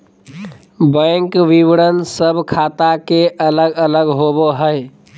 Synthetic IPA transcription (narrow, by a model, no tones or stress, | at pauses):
bə̃ɪŋkʋiwɽənsəbʱkʰaːt̪akeʔələɡələɡɦoboɦəɪ